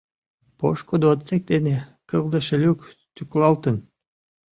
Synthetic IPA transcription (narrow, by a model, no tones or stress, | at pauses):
poʃkod̪ot̪sek̚t̪enekɤlˠd̪əʃelʲyk | t̪yklˠɑlˠt̪ɨn